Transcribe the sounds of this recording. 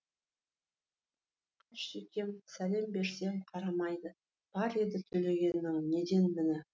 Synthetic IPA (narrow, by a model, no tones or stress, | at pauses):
qʰɑʃekʲʰe̞msæle̞mbe̞ɾse̞ɴqʰɑɾɑmɑjd̪ə | b̥ɑɾed̪ɪt̪ʰɵle̞ɡʲe̞nːɪŋne̞d̪e̞nmɪnɪ